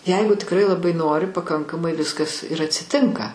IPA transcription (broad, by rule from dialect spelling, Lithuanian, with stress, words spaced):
ˈjɛɪɡʊ tʲɪkˈrɐɪ lˠɐˈbɐɪ ˈnoːrʲɪ pɐˈkɐŋkɐmɐɪ ˈʋʲɪskɐs ɪr ɐtʲsʲɪˈtʲɪŋkɐ